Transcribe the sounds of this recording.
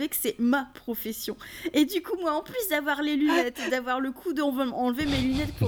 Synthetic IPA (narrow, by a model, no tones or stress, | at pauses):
vɛksɛmapχɔfesjɔ̃ed̪ykumwaɑ̃plysd̪avwaʁlelynɛt̪ed̪avwaʁləkʰud̪əɔ̃vamɑ̃lvemelynɛt̪̚pu